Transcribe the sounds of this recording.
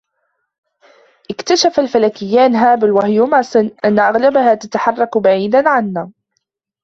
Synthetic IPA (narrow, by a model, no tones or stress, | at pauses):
ʔɪkt̪aʃafalfalaːkɪjːaːnɦaːbɪlwahjʊmasˤɨnʔanːaʔaɣlabahaːt̪at̪aħɑrˤːɑkbaʕiːd̪anʕanːaː